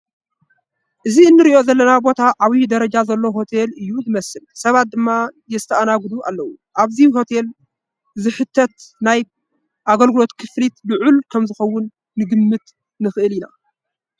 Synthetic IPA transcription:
ʔɨziɨnːɨɾiʔo̞zɐlːɐnabo̞t̪ʰaʕaβid̪ɐɾɐd͡ʒazɐlːo̞ɦo̞t̪ʰelɨjːuzɨmɐsɨlsɐβat̪̚d̪ɨmːajɛst̪ʰɐʔanaɡɨd̪uʔa̰lːɐwu | ʔaβziɦo̞t̪ʰel | zɨħɨt̪ʰːɐt̪naj | ʔaɡɐlɡɨlo̞t̪kʰɨflit̪lɨʕulkʰɐmzɨxɐwːʊnː | ɨɡɨmːɨt̪ | nɨxɨʔɨlina̰

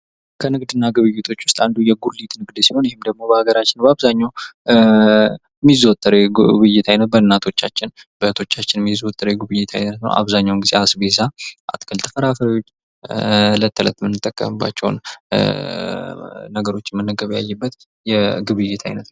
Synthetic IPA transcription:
kʰənɨɡd̪ɨnːaɡɨβɨjːet̪ʰo̞t͡ʃːwʊst̪ʼand̪ujɛɡuɾlit̪nɨɡd̪siho̞njɛhɪmd̪əɡ̚mo̞bəhaɡəɾat͡ʃːɪnbəaβzaɲːaw | mizot̪ʼːəɾeβɨjɛt̪ʰajnət̪̚bəɨnːat̪ʰo̞t͡ʃːat͡ʃːɪn | b̥ət̪ʰo̞t͡ʃːat͡ʃːɪnmizwot̪ʼːəɾeɡɨβɨjːɛt̪ʰajnət̪nə̰wʔa̰βzaɲːawnɡizeasbezaʔa̰t̪kʰəlt̪ʰɨfəɾafəɾawo̞t͡ʃː | lət̪ʰːələ̰t̪mɨnːɨt̪ʼːəkʼːə̰mɨbːa̰t͡ʃːɛ̰w̰n | nəɡəɾo̞t͡ʃːɛmənːəɡəβja̰jːɛbːət̪ | jɛɡɨβɨjːɛt̪ʰa̰jnət̪

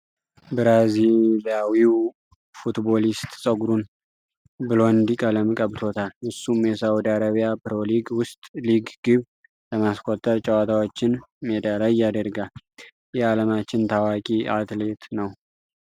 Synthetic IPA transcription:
bɨɾaziljawiw | fut̪bo̞list̪ʼsʼəɡɾun | bɨlo̞nd̪ikʼələmɨkʼəβt̪ʰo̞t̪ʰalɨsːumjɛsəwud̪iaɾəβijapɨɾo̞liɡwʊst̪ʼliɡɡ̥ɨβ | ləmaskʷʰʼot̪ʼːəɾt͡ʃʼəwat̪ʰawot͡ʃːɪnmed̪alajad̪əɾɡal | jɛaləmat͡ʃːɪnt̪ʰawakʼiat̪let̪nəw

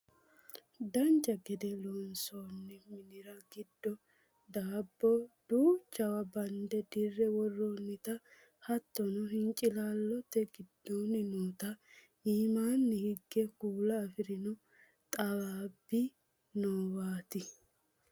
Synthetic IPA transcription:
d̪ɐnt͡ʃːɐɡɛd̪ɛloːnsoːnːɛmɪnɪɾɐɡɪd̪ːɔ | d̪aːbːɔd̪̥uːt͡ʃːɐwɐbɐnd̪ɛd̪ɪrːɛwɔrːonːɪt̪ɐ | hɐt̪ːɔnɔɦɪŋt͡ʃʼːɪlaːlːɔt̪ːɛɡɪd̪ːoːnɪnoːt̪ɐ | iːmaːnːɛhɪɡːɛkuːlɐːfɪɾɪnɔ | t̪ʼɐwaːbːɪ | noːwaːt̪ɪ

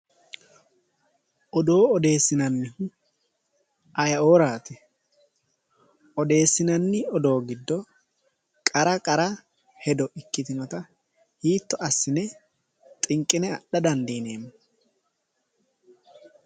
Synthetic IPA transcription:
ʔɔd̪o̞ːɔd̪e̞ːsːɪnɐnːɪhʊ | ʔɐjɐo̞ːɾaːt̪ɛ | ʔɔd̪e̞ːsːɪnɐnːɪɔd̪o̞ːɡɪd̪ːɔ | kʼɐɾɐkʼɐɾɐ | hɛd̪ɔʔɪkːɪt̪ɪnɔt̪ɐ | hiːt̪ːɔʔɐsːɪnɛ | t̪ʼɪŋkʼːɪnɛɐɗɐd̪ɐnd̪iːneːmːɐ

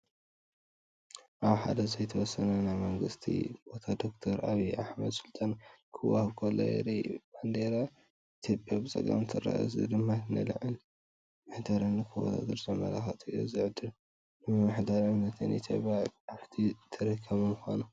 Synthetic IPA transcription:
ʔaβħa̰d̪ɐzɐjt̪ʰɐwɔsːɐnɐnajmɐŋɡɨst̪ʰḭbot̪ʰad̪okt̪ʰoɾaβiʔaħmɐd̪sɨlt̪ʼankʰɨwahɨβkʰolːo̰jɛ̰ɾib̥and̪eɾa | it̪ʰjopʼjabɨt͡sʼɐ̰kʼa̰mt̪ʰɨɾa̰ʔɐ̰zɨ̰d̪ɨmːaɨnɐlɨ̰ʕɨl | mɨħd̪aɾɨnːɨkʰɨwo̰t̪ʰa̰d̪ɨɾzɐmɐ̰la̰xɐt̪ʼːozɨʕd̪ɨl | nɨɨmɨħd̪aɾʕɨmnɐt̪ʰɨnʔḭt̪ʰjopʼjaaħt̪ʰit̪ʰɐɾɨkʰːɐβɐmuxo̰nu

